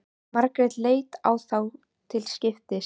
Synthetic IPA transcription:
maɾkɾɪðleːjt̪a̰wθaw | t̪ʰɪlscɪft̪ɪ

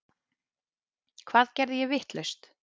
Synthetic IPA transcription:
kʰv̥aːðcɛɾðɪjɛvɪht̪lœɥst̪

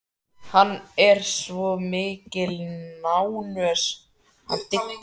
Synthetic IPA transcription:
hanːɛɾ̥svɔmɪːcɪlnawnœːs | ha̰nt̪ɪ

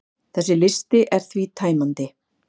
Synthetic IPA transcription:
θɛsːɪlɪst̪ɪʔɛɾ̥θvit̪ʰaːjmant̪ɪ

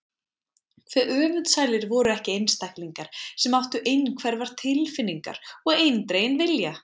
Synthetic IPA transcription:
kʰfvɛʔœːvʏnt̪saːjlɪɾvɔɾʏɛhcɪejnst̪ajkliŋkaɾ̥sɛmawht̪ʏʔejnkʰvɛɾvaɾ̥t̪ʰɪlfɪnːiŋka̰ɾ̥ɔɣejnt̪ɾeːjɪnvɪlja

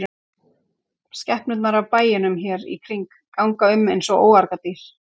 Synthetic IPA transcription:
scɛhpnʏt̪naɾavpaːjɪnʏmçɛɾḭkʰɾiŋkː | awŋkaʏmejnsɔɣo̰ːwaɾkat̪iɾ̥

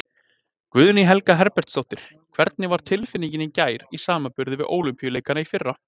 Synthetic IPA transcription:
kvʏðniɦɛlkaɦɛɾpɛr̥t̪sowht̪ɪɾ̥ | kʰv̥ɛɾt̪̚nɪvaɾ̥t̪ʰɪlfɪnːiɲcɪnɪcaːjɾisaːmapʏɾðɪvɪðʔoːwlʏmpijʏleːjkanaifɪrːa

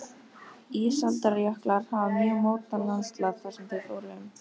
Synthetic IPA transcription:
iːsalt̪aɾjahklaɾ̥haːvamjœːɣmoːwt̪anːanst̪laɣθaɾ̥sɛmθeθo̰wɾɪʏm

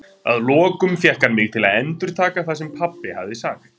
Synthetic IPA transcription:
a̰ðlɔːkʏmfjɛhkanmɪɣt̪ʰɪlaðɛnt̪ʏɾ̥t̪ʰaːkaθas̬ɛmpʰapːɪha̰vðɪsaːk

